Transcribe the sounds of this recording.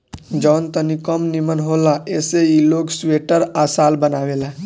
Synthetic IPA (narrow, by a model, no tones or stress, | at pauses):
d͡ʒɔːnt̪ənikɔmnimənɦoːlaʔeːseiloːɡsʋeːʈəɾaːsaːlbənaːʋeːla